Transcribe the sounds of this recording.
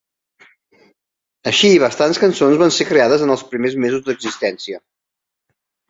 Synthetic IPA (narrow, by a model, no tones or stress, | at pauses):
əʃiːβ̞əst̪anskənsonzβansekɾeaðəzənəlˠspɾimezmezuzd̪əɡzist̪ɛnsiə